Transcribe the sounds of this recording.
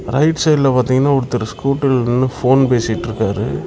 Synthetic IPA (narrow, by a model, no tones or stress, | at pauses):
ɾɐɪʈsɐɪlɐpaːɾt̪iːŋɡɐnːaːɔɽɯt̪ːɯɾɯskuːʈːɪlɯnːɯfoːnpeːsɪʈːɯɾɯkːaːɾɯ̰